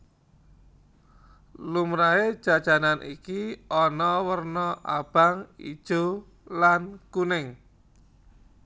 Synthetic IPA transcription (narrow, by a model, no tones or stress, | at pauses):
lumɾaed̥ʒ̥a̤d̥ʒ̥a̤nanʔikiɔnɔwərnɔʔa̰b̥a̤ŋḭd̥ʒ̥o̤ | lankunɪŋ